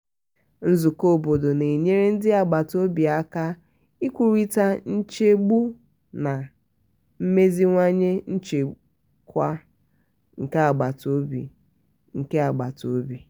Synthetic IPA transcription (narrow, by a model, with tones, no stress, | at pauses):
n̩˦zu˨ko˦˨bo˨do˨ne˨ɲe˦ɾe˦n̩˦dɪ˦a˨ɡ͡ba˨to˦bi˨a˦ka˦ | i˦kʷu˨ɾi˦ta˦n̩˦t͡ʃe˦ɡ͡bu˦ | na˨ | m̩˦me˦zi˦ŋʷa˦ɲe˦n̩˦t͡ʃe˨ | kʷa˦ | ŋ̩˨ke˦a˨ɡ͡ba˨to˦bḭ˨ | ŋ̩˨ke˦a˨ɡ͡ba˨to˦bi˨